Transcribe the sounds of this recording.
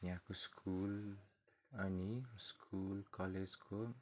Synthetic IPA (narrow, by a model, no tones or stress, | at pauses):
jɦãkoskʰul | ʌniskʰulkʌled͡zkʰo